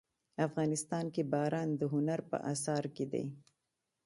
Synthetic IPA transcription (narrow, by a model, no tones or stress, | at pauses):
afɣɑnɪst̪ɑnkebɑɾɑnd̪əɦʊnaɾpə̰ʔasɑɾked̪a̰j